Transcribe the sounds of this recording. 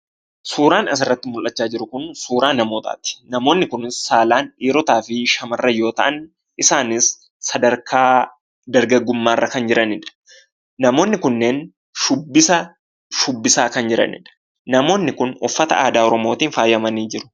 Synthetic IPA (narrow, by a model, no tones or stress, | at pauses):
suːɾaːnɐs̬ɪrːɐt̪ːɪmʊlʔɐt͡ʃːaːd͡ʒɪɾʊkʊnsuːɾaːnɐmo̞ːt̪a̰ːt̪ɪ̥nɐmo̞ːnːɪkʊnɪsːaːlaːniːɾɔt̪aːfɪʃɐmɐrːɐjo̞ːt̪ɐʔɐn | ʔɪsaːnɪsː | ɐd̪ɐɾkʰaː | d̪ɐɾɡɐɡːʊmːaːrːɐkɐnd͡ʒɪɾʔɐnɪᶑɐ̥ | nɐmo̞ːnːɪkʊnːeːn | ʃʊbːɪsɐ | ʃʊbːɪsaːkɐnd͡ʒɪɾɐ̰nɪ̰ᶑɐ̥ | nɐmo̞ːnːɪkʊnʊfːɐt̪ɐaːd̪aːɔɾɔmo̞ːt̪iːnfaːjɐmɐniːd͡ʒɪɾʊ̥